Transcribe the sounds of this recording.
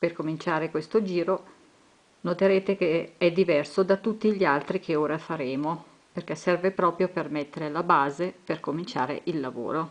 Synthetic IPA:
perkomint͡ʃaːɾekwest̪od͡ʒiːɾo | not̪eɾeːt̪ekeɛd̪ːivɛrsod̪at̪ːut̪ːiʎialt̪ɾikeoːɾafaɾeːmo | perk̟ɛsɛrvepɾɔːpɾjopermet̪ːeɾelabaːzeperkomint͡ʃa̰ːɾḛʔilːavo̰ːɾo

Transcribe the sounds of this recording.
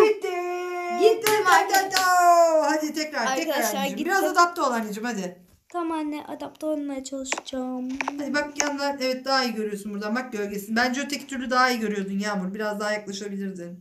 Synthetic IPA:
it̪ːi | ɟit̪ːimat̪ænt̪aɦad̪it̪ʰɛcɾaɾʰɛcɾaaɾed͡ʒmbiɾazad̪ap̚t̪ʰo̞lˠaɾnid͡ʒimhad̪ɪ | t̪ʰamaːnɛʔa̰d̪apt̪ʰaonmajat͡ʃʰalˠɯʃɯ̥d͡ʒamhad̪ibakjanlˠaɾnɛvɛt̪̚d̪aɦaijɟø̞ɾyjo̞sunbuɾd̪anbaklølʲɟesinbænd͡ʒɛot̪ʰɛct̪ʰyɾlʲyd̪aɦaijɟø̞ɾyjo̞d̪unjaːmuɾbiɾazd̪aɦajaklˠaʃabilʲiɾd̪ɪn

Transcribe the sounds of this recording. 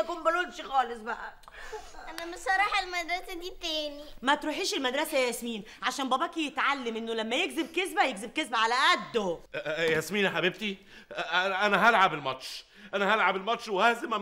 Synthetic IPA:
ækuːmbelonʃxɑːlesˤbæʔæ | ʔænæmesˤɑɾˤɑːħelmæd̪ɾˤɑsæd̪iːt̪æːnimæt̪ɾuːħiːʃelmæd̪ɾˤɑsæjæsmiːn | ʕaʃæːnbæbækijet̪ʕalːemʔenːolæmːæjeɡzeb̚kezbæjekzeb̚kezbæʕalæʔæd̪ːojæsmiːnħabib̚t̪i | æʔænæɦælʕabelmɑt̪ʃ | ʔænæɦælʕabelmɑt̪ʃwehæhzemæ

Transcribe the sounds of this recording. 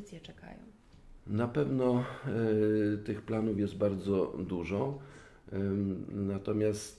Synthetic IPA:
t̪sʲjɛt͡ʂɛka̰jɔ̰̃w̃ | napɛvnɔ | t̪ɘxplanufjɛzd̪̚baɾd̪zɔd̪uʐɔ | nat̪ɔmʲjast̪

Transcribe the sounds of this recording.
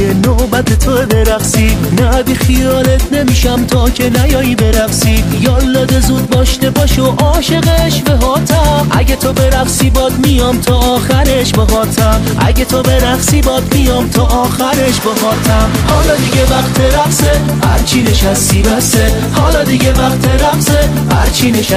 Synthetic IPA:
enobæt̪ʰet̪ʰoebe̞ɾæfsiːnæbiːxiɒːlet̪ʰne̞miːʃæmt̪ʰɒːcʰenæjɒːibe̞ɾæfsiːjɒːlːɒːd̪ezud̪̚bɒːʃt̪e̞bɒːʃoʔɒːʃe̞ɣeʃbeɦɒːt̪ʰæmʔæ̰ɟet̪ʰo̞be̞ɾæfsibɒːd̪mijɒmt̪ʰɒːɒːxæɾeʃbeɦɒːt̪ʰæm | ʔæ̰ɟet̪ʰo̞be̞ɾæfsiːbɒd̪mijɒmt̪ʰɒːʔɒːxæɾeʃbehɒːt̪ʰæm | hɒːlɒd̪iɡevæqt̪ʰeɾæfse | hæ̰ɾt͡ʃʰineʃæst̪ibæse | hɒːlɒd̪iɡevæqt̪ʰeɾæfze | hæɾt͡ʃʰineʃæ

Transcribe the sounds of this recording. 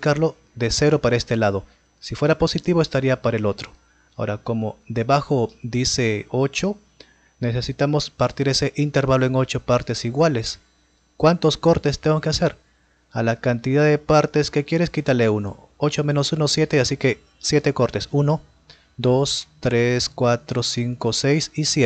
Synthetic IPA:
pikaɾlo̞ | ðese̞ɾo̞paɾae̞st̪e̞lað̞o̞ | sifwe̞ɾapo̞sit̪iβoe̞st̪aɾiapaɾaelo̞t̪ɾo | ao̰ɾako̞mo̞ðe̞βaxo̞ðise̞o̞t͡ʃo̞ | nese̞sit̪amo̞spaɾt̪iɾe̞se̞ʔint̪e̞ɾβaloe̞ŋo̞t͡ʃo̞paɾt̪e̞siɣwales | kwant̪o̞sko̞ɾt̪e̞st̪eŋɡokease̞ɾ | alakant̪iðaðepaɾt̪e̞ske̞kje̞ɾe̞skit̪aleuno̞̰ | ot͡ʃo̞mẽ̞no̞sunosje̞t̪e̞asike̞ | sje̞t̪e̞ko̞ɾt̪e̞suno̞ | d̪o̞st̪ɾeskwat̪ɾosiŋkosejsisjee

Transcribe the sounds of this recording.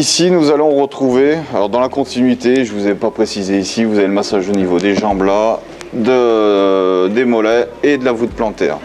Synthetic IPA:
isinuzalɔ̃ʁət̪χuvealɔʁd̪ɑ̃lakɔ̃t̪inɥit̪eʒəvuzɛpapχesizeisivuzaveləmasaʒonivod̪eʒɑ̃bla | d̪ə | d̪emɔlɛed̪əlavut̪̚plɑ̃t̪ɛ̰ːʁ

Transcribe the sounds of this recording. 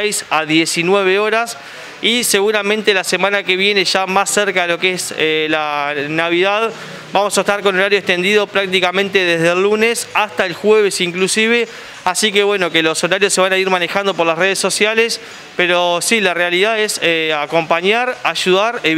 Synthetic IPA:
jsaðjesinwe̞β̞eo̞ɾas | iseɣuɾamẽ̞nt̪elasemãnakeβje̞ne̞ʒamasːeɾkaðelo̞keeselanaβiðað | bamo̞saest̪aɾko̞no̞ɾaɾjoekt̪e̞nd̪iðo̞pɾak̚t̪ikamẽ̞nt̪e̞ðeɦð̞elːunesast̪aelxweβesiŋklusiβe̞ | asikeβwe̞no̞kelo̞so̞ɾaɾjosːe̞β̞anaiɾmane̞xand̪o̞poɾlasre̞ðesːo̞sjales | peɾo̞silarealiðaðeseako̞mpaɲaɾaʒuðaɾe

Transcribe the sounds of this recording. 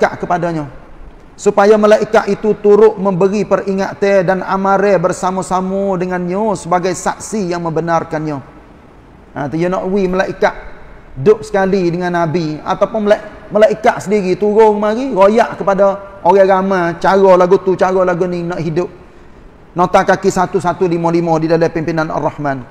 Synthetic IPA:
kaʔkəpadaɲo | supajaməlaʔikaʔit̪ut̪uɾʊʔməmbəɾipəriŋaʔt̪ədana̰maɾɛbərsamasamudəŋanɲosəbaɡajsa̰k̚sijaŋmə̃mbənarkanɲo | at̪əjonɔʔwiməlaʔikaʔdʊp̚sə̥kalidəŋanːabia̰t̪awpʊnlməlaʔikaʔsədiɾit̪uɾʊŋmaɾiɾojaʔkəpadaoɣɛɡamat͡ʃaɣɔlaɡut̪ut͡ʃaɣolaɡuninɔʔɦidʊp̚ | not̪akakisat̪usat̪ulimolimodidalapimpinana̰rːɑhman

